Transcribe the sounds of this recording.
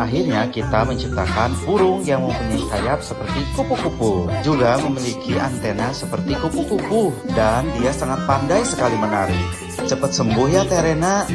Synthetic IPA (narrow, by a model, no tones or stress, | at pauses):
aɦirɲakit̪aməɲt͡ʃip̚t̪akanfuɾʊŋjaŋməmpuɲakajap̚səpərt̪ikupukupud͡ʒuɡaməmilikʰiʔant̪enasəpərt̪ikukukupudandiasaŋat̪̚pandajsəkalimənaɾɪh | t͡ʃəpət̪̚səmbʊɦjat̪eɾena